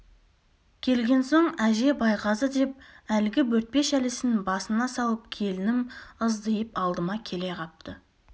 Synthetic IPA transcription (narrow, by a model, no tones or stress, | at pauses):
kʲʰe̞lɡʲe̞nso̞ɴæʒe̞bɑjqɑzəd̪e̞p̚ælɪɡʲɪwɵɾt̪̚pe̞ʃælɪsɪnbɑsənɑsɑwəp̚kʲʰe̞lɪnɪməzd̪əjəpɑlˠd̪əmɑkʲʰe̞le̞qʰɑp̚t̪ə